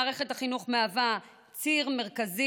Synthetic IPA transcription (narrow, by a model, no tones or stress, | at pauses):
ʁe̞χethaχinuχmeava | t͡siʁme̞ʁ̞kazi